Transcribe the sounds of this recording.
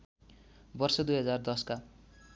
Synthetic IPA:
bʌrsʌd̪ujɦʌd͡zard̪ʌska

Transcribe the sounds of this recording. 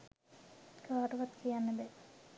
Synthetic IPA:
kaːʈuʋat̪kijanːəbɛ

